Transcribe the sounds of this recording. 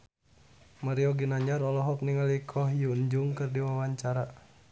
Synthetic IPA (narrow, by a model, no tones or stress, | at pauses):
maɾiɔɡinaɲaɾɔlɔɦɔk̚niŋalikʰɔɦjuɲd͡ʒuŋkɨrdiwawaɲt͡ʃaɾa